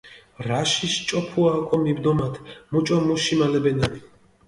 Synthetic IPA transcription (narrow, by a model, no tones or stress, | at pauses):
ɾaʃiʃt͡ʃʼɔpʰuakʼɔmibd̪ɔmat̪ʰmut͡ʃʼɔmuʃimalɛbɛnani